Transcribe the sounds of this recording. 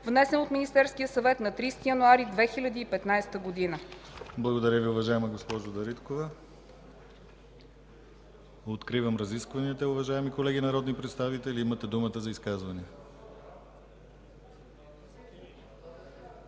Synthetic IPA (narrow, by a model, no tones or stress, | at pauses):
vnɛsɛnot̪minist̪ɛɾskʲijəsɐvɛt̪nɐt̪ɾist̪ijənuaɾid̪vɛxilʲɐd̪iːpɛt̪najst̪əɡod̪inəblˠɐɡod̪ɐɾʲjəviʊvɐʒaɛmɐɡospɔʒod̪ɐɾit̪kovə | ot̪kɾivəmɾɐziskvɐniət̪əʊvɐʒaɛmikolɛɡʲinɐɾɔd̪nipɾɛt̪st̪avit̪ɛliimət̪ɛd̪umət̪əzɐiskazvɐni